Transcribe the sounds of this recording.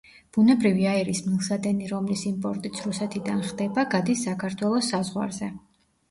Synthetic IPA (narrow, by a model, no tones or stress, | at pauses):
b̥unɛbɾiviaɛɾismilˠsad̪ɛniɾɔmlisimpʼɔɾt̪ʼit̪sʰɾusɛt̪ʰid̪anχd̪ɛbaɡad̪isakʰaɾt̪ʰwɛlˠɔsːazʁwa̰ɾzɛ